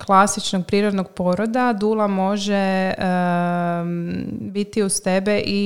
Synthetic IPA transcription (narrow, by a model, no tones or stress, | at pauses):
klˠasit͡ʃnoɡ̚pɾiːɾod̪noɡpo̞ɾod̪ad̪ulˠamo̞ʒe | bit̪iust̪ebeʔi